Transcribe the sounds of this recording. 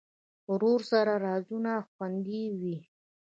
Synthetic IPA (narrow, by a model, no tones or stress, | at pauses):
ɾoɾsaɾaɾɑzunaxwand̪iwi